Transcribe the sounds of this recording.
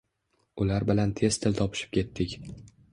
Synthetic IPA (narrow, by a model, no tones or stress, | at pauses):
ʊlaɾbɪlant̪ʰe̞st̪ʰɪlt̪ʰɒpʰɪ̥ʃɪ̥p̚kʲʰe̞t̪ʰːɪkʲ